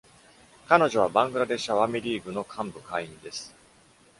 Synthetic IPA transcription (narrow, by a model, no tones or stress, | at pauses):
kano̞ʑo̞β̞abãŋɡɯ̟ɾad̪e̞ɕaβamiɾʲiːɡɯ̟no̞kʰãmbɯ̟kaĩnd̪e̞sɨ̥